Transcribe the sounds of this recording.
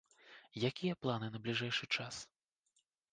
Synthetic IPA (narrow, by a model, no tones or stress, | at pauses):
jakʲijɐplˠanɨnɐblʲiʐɛjʂɨt͡ʂas